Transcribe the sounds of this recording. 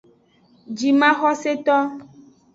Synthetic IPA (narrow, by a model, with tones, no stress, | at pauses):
d͡ʒi˨mã˦xɔ˦se˦t̪ɔ˦